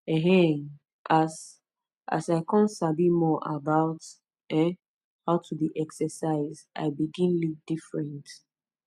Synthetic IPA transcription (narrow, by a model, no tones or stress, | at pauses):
ɛ̃ɦɛ̃ | ʔas | a̰saɪkʰɔ̃ntsabimɔʔabaʊt | ɛ̃ | haʊtʰubiʔɛksəsaɪzʔa̰ɪbiɡĩnluk̚d̥ifɹɛ̃nt